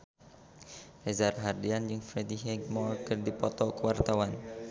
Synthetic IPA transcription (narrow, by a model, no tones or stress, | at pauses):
hɛzarɦardiand͡ʒɨŋfɾediɦɛɡ̚mɔlkərdipɔt̪ɔkəwart̪awan